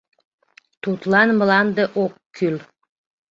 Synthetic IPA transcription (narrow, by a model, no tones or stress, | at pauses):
t̪ut̪lˠɑnmə̆lˠɑnd̪əʔokʰːyl